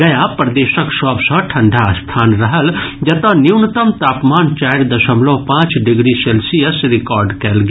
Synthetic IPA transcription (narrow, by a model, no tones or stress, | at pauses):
ɐjapɾɐd̪eːʃəkʃɔːbsɐ̃ʈʰɐ̃ɳɖʱast̪ʰaːnɾɐɦəld͡ʒɐt̪ɐniwnt̪əmt̪aːpmaːnt͡ʃaːjɾd̪ɐʃəmlõpãːt͡ʃɖɪɡɾiselsijəsɾɪkɔːɾɖkɛlɡ